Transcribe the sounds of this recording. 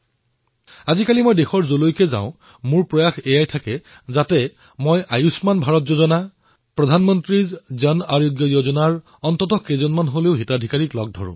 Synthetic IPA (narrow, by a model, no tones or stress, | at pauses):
azikalimojdexɔɹzolojkɛza̰ʊ̃ | muɹpɹɔjaxejajtʰakɛ | zatɛ | mojʔajusmanbʱaɹɔtzozɔna | pɹɔdʱanmɔntɹizzʌnaɹjoɡjɔjozɔnaɹ | ɔntɔtɔkezɔnmanɦoleʊɦitadʱikaɹiklɔɡ̚dʱɔ̰ɹʊ̰̃